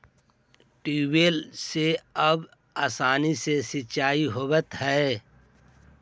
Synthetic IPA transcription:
ʈiːweːlseɐb | aːsaːnisesit͡ʃaːiɦobət̪hɛe

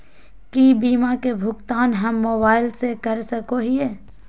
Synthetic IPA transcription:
kibiːmakebʱʊɡt̪aːnɦɐmːoːbaːɪlsekɐɾsɐkoɦie

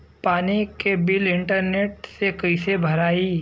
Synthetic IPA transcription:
paːnikebɪlɪ̃ɳʈəɾneːʈsekɐɪsebʱɐɾaːiː

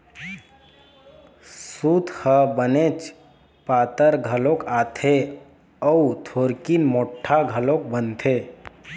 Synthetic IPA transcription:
suːt̪həbənet͡ʃ | paːt̪əɾɡʱəlõkaːt̪ʰe | ɔut̪ʰoːɾkinmoːʈʰːaɡʱəlok̚bənt̪ʰe

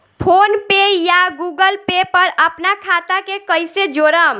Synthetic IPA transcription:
pʰonpejaɡuɡəlpepəɾəpnakʰat̪akekəjsed͡ʒoɾəm

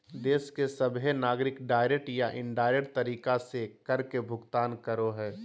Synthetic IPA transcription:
d̪eːskesɐbɦenaːɡɾɪkɖaːɪɾekʈjaʔɪ̃ɳɖaːɪɾekʈt̪ɐɾiːkasekɐɾkebʱʊɡt̪aːnkəɾoɦɛː

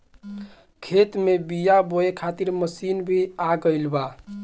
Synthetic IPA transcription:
kʰet̪mebijaboekʰat̪iɾməsinbʱiaɡəjlba

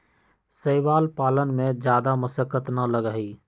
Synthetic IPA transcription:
səɪʋaːlpaːlənmẽd͡ʒjaːd̪aməsəkət̪nələɡəɦiː

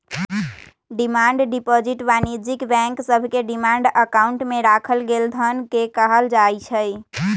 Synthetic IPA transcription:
ɖimaɳɖɖipɔd͡ʒiʈbanid͡ʒikbɛ̃ŋksəbʱkeɖimaɳɖəkauɳʈmeɾakʰəlɡeld̪ʱənkekəɦəld͡ʒajt͡ʃʰəj

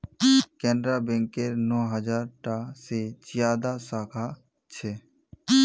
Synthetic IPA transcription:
kɛnɖɾabɛ̃ŋkeɾnɔːɦəd͡ʒaːɾʈased͡ʒjaːd̪asaːkʰa | t͡ʃʰɛː

